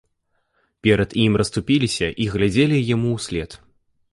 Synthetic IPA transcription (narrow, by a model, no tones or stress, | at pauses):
pʲɛɾɐd̪imrɐst̪upʲilʲisʲɐʔiɣlʲad͡zʲelʲijamuwsʲlʲɛt̪